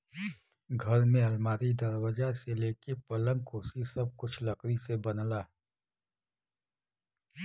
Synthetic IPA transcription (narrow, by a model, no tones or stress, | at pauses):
ɡʱɐɾmẽɦɐlmaːɾid̪ɐɾwəd͡ʒaseleːkepɐlə̃ŋkoːsisɐb̚kʊt͡ʃʰlɐkɾisebɐnlaː